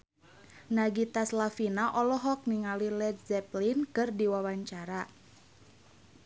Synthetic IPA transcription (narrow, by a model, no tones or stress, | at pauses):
naɡit̪aslafinaʔɔlɔɦɔk̚niŋalilɛdzɛplinkɨrdiwawaɲt͡ʃaɾa